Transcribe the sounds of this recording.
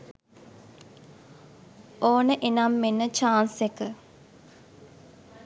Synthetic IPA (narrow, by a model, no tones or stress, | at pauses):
oːnəʔenamːenːət͡ʃaːnsekə